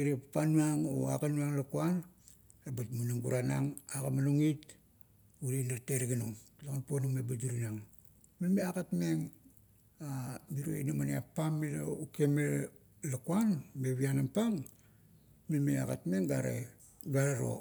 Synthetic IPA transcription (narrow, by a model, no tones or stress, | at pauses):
iɾepapanuaŋo̰a̰kanuaŋlakuan | ebatmunaŋbuɾanaŋakamaluŋit | uɾenaɾteɾeɡanuŋlakonponumebadiɾinaŋ | milmeakatme̞ŋ | amiɾo̰ḭnamania̰pamːila̰ukeme | lakuanbeβianampaŋ | milmea̰ka̰tme̞ŋɡaɾḛ | ɡaɾeɾo̰